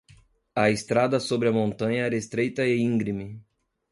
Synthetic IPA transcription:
ɐest̪ɾad̪ɐsobɾɪɐmõnt̪ɐ̃ɲɐɛɾest̪ɾejt̪ɐeĩɡɾimɪ

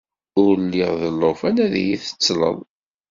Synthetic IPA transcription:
ʊɾlːiʁðəlːofænæðjiθə̥t͡sːlə̰ðˤ

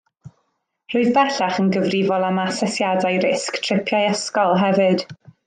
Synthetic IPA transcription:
r̥oɨðbɛɬaχənɡəvrivɔlˠamasɛsjadajrɪsktʰrɪpʰjajɛskɔlˠɦɛvɨd̥

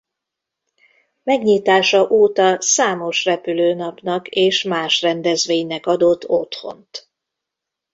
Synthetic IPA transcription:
mɛɡɲiːt̪aːʃɒʔoːt̪ɒsaːmo̞ʃrɛpyløːnɒpnɒkeːʃmaːʃrɛnd̪ɛzʋeːɲnɛkɒd̪ot̪ʰːo̞t̪ho̞̰nt̪

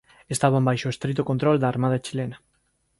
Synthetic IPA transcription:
est̪aβambajʃoest̪ɾit̪̬okont̪ɾold̪aːɾmað̞at͡ʃilena

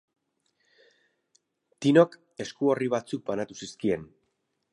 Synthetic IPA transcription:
t̪ino̞k | e̞skuo̞riβ̞at͡suk̚banat̪usiskie̞n

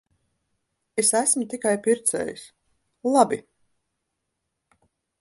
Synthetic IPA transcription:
esæsmut̪ikajpiɾt̪sɛ̰ːjḭs | lˠabi

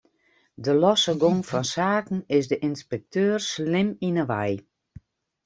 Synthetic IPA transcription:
dəlɔsəɡoŋfɔnsaːkn̩ɪsdəʔinspɛk̚tʰøːrslɪminəʋɛj

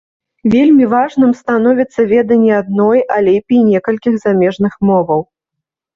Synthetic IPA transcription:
vʲelʲmʲivaʐnɨmst̪anɔvʲit̪sːɐvʲɛd̪ɐnʲːiad̪̚nɔjʔalʲepʲijnʲɛkɐlʲkʲixzamʲɛʐnɨxmɔvɐw

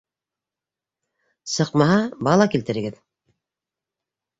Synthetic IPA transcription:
sɤ̆qmɑɦɑbɑlˠɑkilt̪ɘ̆ɾɘ̆ɡɘð

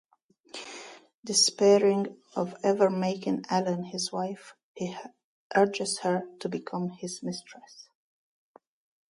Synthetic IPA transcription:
dɨspɛɹɪ̃ŋ | ʌvɛvə˞meɪkɪ̃ŋælə̃nhɪzwaɪf | hi | ʔɜ˞d͡ʒɨz̥hə˞tʰubɨkʰʌ̃mhɪzmɪstɹ̥əs

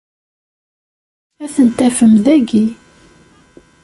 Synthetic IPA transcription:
æθənt̪æfəmðæɡi

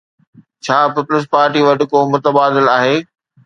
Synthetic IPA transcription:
t͡ɕʰaːpɪpʊləs̬paːɾʈiʋɐʈɪ̆komʊt̪əbaːd̪ɪlaːɦeː

